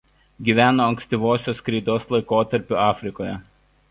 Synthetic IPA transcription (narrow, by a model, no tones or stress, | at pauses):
ɡʲiːʋʲæːnoːɐŋksʲt̪ʲɪʋoːsʲoːskɾʲɛɪd̪oːslˠɐɪkoːt̪ɐɾʲpʲʊɑːfʲɾʲɪkoːjɛ